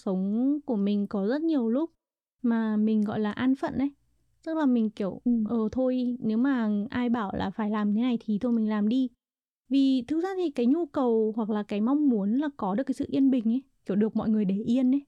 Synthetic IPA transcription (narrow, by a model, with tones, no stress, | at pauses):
sə˨˦wŋ͡mku˧˩əmï˨˩ŋ̟kɔ˨˦zə˦˥t̚ɲi˨˩əwlʊ˦˥k͡p̚ | maː˨˩mï˨˩ŋ̟ɣɔ̰˧˨jlaː˨˩ʔaː˧nfə̰˧˨nʔə˨˦j | tə˦˥k̚laː˨˩mï˨˩ŋ̟ki˧˩əwʔəː˨˩t̪ʰo˧jne˨˦wmaː˨˩ʔaː˧jɓaː˧˩wla̰ː˨˩faː˧˩jlaː˨˩m˨˩t̪ʰe˨˦na˨˩jt̪ʰi˨˩t̪ʰo˧jmï˨˩ŋ̟laː˨˩mɗi˧ | vi˨˩t̪ʰɨ˨˦k̚zaː˧t̪ʰi˨˩kaː˨˦jɲu˧kə˨˩whwa˨˩k̚laː˨˩kaː˨˦jma˧wŋ͡mmu˨˦ənlaː˨˩kɔ˨˦ɗɨ˨˩kːaː˨˦sɨ̰˧˨ʔi˧ənɓï˨˩ŋ̟ʔə˨˦jki˧˩əwɗɨ˨˩ək̚mɔ̰˧˨jŋɨ˨˩əjɗe˧˩ʔi˧ənə˨˦j